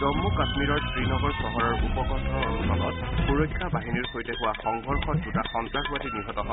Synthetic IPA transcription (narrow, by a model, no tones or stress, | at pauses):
dɔmːukasmiɹɔɹskɹinɔɡɔɹsɔɦɔɹɔɹupɔkɔɔsɔ̰lɔt̚xuɹojkʰːabaɦiniɹxojtɛkʊwaxɔŋɡʱɔɹxɔt̚dutaxɔntɹaɡatiniɦɔtɔɦɔ